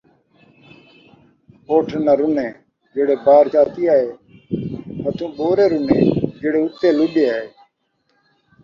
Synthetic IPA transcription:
oːʈʰːnaːɾʊnẽː | d͡ʒeːɽeːbaːɾd͡ʒaːt̪iːaːɦeː | ɦət̪ũːɓoːɾeːɾʊnẽːd͡ʒeːɽeːʊt̪ːeːlʊɗeːaːɦeː

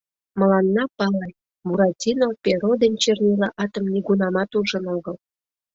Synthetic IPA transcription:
mə̆lɑnːɑpɑle | muɾɑtʲinopʲeɾod̪enʲt͡ɕernʲelɑʔɑt̪əmnʲiɡunɑmɑt̪uʒə̆noɣəl

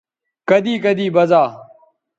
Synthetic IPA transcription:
kəd̪iːkəd̪iːbəzaː

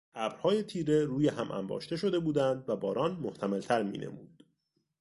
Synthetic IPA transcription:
ʔæːbɾhɒːje̞t̪ʰiːɾe̞ɾuːjeɦæmʔæ̰mbɒ̰ːʃt̪e̞ʃo̞d̪e̞buːd̪ænd̪væbɒːɾɒːnmo̞ht̪ʰæmelt̪ʰæɾmḭːnʔe̞̰muːd̪̥

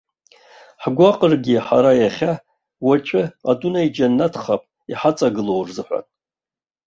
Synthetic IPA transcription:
ħɡʷaqʼərɡʲiħa̰ɾajaχʲa | wat͡ʃʷʼɪatʼunaid͡ʒanːatʰχapʼ | iħat͡sʼaɡɨlo̞wrzɨħʷa̰tʼ

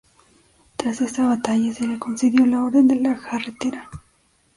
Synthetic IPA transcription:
t̪ɾase̞saβat̪aʝaseɾekonseðjo̞laoɾðend̪elaxaret̪eɾa

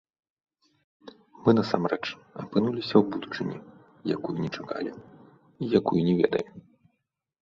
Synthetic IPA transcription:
mɨnɐsa̰mrɛt͡ʂ | ɐpɨnulʲisʲɐwbud̪ut͡ʂɨnʲḭ | jakujunʲɛt͡ʂaka̰lʲi | ijakujunʲɛvʲɛ̰d̪ɐjɛm

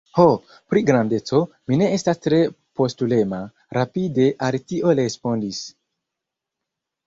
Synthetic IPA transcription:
ho | pɾiɡɾande̞t͡so̞ | mine̞estastɾe̞ | po̞stule̞ma | ɾapide̞ʔalitiʔo̞lespo̞ndis

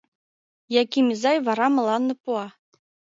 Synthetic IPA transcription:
jɑkʲimʲizɑjʋɑɾɑmɤ̆lˠɑnːɤ̆puɑ

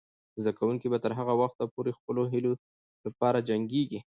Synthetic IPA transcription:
zd̪akawuŋkibat̪əɾɦaɣawaxt̪apoɾexpəloɦɪlo | lapɑɾad͡ʒaŋɡeɡi

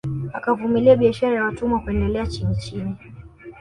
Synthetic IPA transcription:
akavumiliaɓiaʃaɾajawatumwakuɛndɛlɛat͡ʃinit͡ʃini

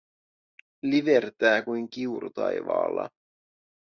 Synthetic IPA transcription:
liʋe̞rt̪æːkujŋkiuɾut̪ɑjʋɑ̰ːlːɑ̰

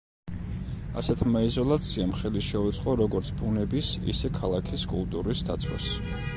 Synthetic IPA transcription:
a̰sɛt̪ʰmaizɔlˠat̪sʰiamχɛliʃɛut̪sʼqʼɔɾɔɡɔɾt̪sʰbunɛbisḭsɛkʰalˠakʰiskʼṵlˠt̪ʼuɾisd̪at̪sʰwa̰s

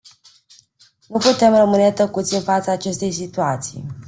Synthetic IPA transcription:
nuput̪e̞mrəmɨnet̪əkut̪sʲɨnfat̪saːt͡ʃe̞st̪e̞jsit̪uat̪sḭj

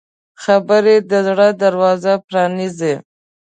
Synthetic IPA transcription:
xabəɾed̪əzɽəd̪aɾwɑzapɾɑnize

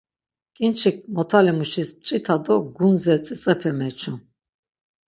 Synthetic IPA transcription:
kʼint͡ʃʰik̚mɔt̪ʰalimuʃisp̚t͡ʃʼit̪ʰad̪ɔɡunzɛt͡sʼit͡sʼɛpʰɛmɛt͡ʃʰu

